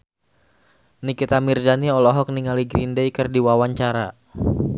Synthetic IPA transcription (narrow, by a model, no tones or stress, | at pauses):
nikit̪amirdaniɔlɔɦɔk̚niŋaliɡɾindejkɨrdiwawaɲt͡ʃaɾa